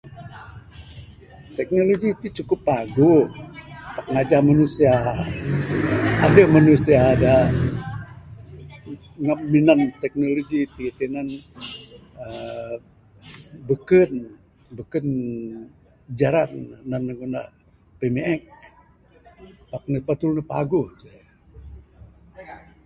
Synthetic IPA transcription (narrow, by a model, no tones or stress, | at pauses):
t̪ɛk̚noloɡiːt̪ut͡ʃukʊpːaɡu | pakŋad͡ʒahmanusia | damanusiaːda | ŋamːinant̪ɛk̚noloɡiːt̪it̪inan | ə | bəkən | bəkən | d͡ʒaɾanːanːəɡuna | pemeɛk̚ | pak̚nəpat̪ulnəpa̰ɡuht̪ua